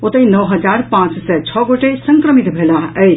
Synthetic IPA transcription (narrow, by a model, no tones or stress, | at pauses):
ot̪əĩnəwɦɐd͡ʒaɾpãt͡ssɛt͡ʃʰɔɡoʈesə̃ŋkɾəmit̪bʱelaəj